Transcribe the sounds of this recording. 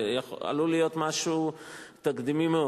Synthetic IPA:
jaa̰lulijo̞t̪maʃut̪akd̪imimeo

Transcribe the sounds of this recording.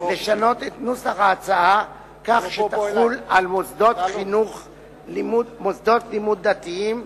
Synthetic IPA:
le̞ʃano̞t̪et̪nusaχaːt͡saa | kaχʃet̪aχulalmosd̪o̞t̪χinuχ | limumosd̪o̞tlimud̪̚dat̪iim

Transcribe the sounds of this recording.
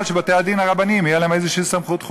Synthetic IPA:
lʃebat̪ead̪inaʁabanimijelaemezeʃiːsamχut̪χ

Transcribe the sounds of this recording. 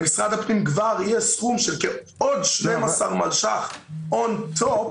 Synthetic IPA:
ɡɪsʁa̰ːdapnɪmɡvaɾjɛsχumʃɛlkɛ | ɔdʃlemasaʁmalˠʃa̰χɔntʰɔp

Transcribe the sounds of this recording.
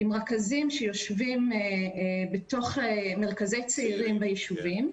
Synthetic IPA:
imʁakazimʃejo̞ʃvim | beto̞χemeʁkazejt͡seiʁimbajiʃuvim

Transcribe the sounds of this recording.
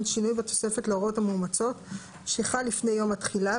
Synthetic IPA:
nʃinujbeto̞̥se̞fe̞tleoʁo̞thamuːmat͡so̞t | ʃeχalːifne̞jːo̞matχila

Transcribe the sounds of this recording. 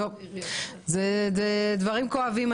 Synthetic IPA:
o | zed̪ed̪vaʁimkoavim

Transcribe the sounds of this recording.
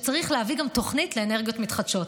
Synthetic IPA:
t͡saʁiχleaviɡamto̞χnitle̞ene̞ʁɡijo̞t̪mit̪χad̥ʃo̞t

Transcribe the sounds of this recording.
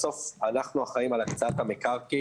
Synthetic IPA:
so̞fanaχnuaχaimalakt͡saat̪amekaʁki

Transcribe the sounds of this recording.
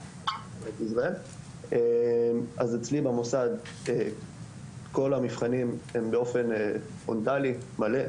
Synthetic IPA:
emet̪izʁael | emazet͡slibamosad̪ | e | ko̞lamifχanimembeo̞fe̞ne | fontalimale̞

